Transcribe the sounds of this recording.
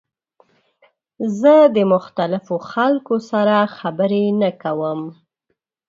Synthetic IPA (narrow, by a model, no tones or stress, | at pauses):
zəd̪əmʊxt̪alɪfoxalkosaɾaxabəɾenakawəm